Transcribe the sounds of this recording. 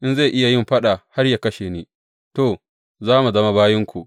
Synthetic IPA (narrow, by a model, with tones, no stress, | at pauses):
ʔɪ˦nza˦˨ʔɪ˦ja˨jɪ˦mɸɐ˦ɗa˨ha˦rja˨kɐ˦ʃeː˨neː˦ | to˨ | zaː˦mu˨zɐ˦ma˦baː˦jɪ˦ŋkʷu˨ʔ